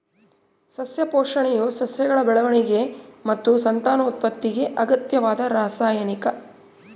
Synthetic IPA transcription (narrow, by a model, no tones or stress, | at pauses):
sɐsjɐpoːʂɐɳɛjusɐsjɐɡɐɭɐbɛɭɐʋɐɳiɡe̞mɐt̪ːusɐnt̪aːnɐut̪̚pɐt̪ːiɡe̞ʔɐɡɐt̪jɐʋaːd̪ɐɾaːsaːjɐnikɐ